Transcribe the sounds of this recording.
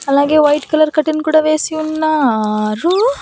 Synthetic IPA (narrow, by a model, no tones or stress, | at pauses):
ɐlːaːɡeːʋɐjʈkɐlɐɾkɐʈːinkuːɽɐʋeːsiunːaɾu